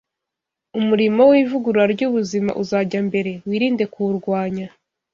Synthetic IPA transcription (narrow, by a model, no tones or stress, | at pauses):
umuɾimo̞wiːvuɡuɾɾaɾɟuβuzima̰ʔuzaɟambe̞ɾe̞wiːɾiːnde̞kuuɾɡwaːɲa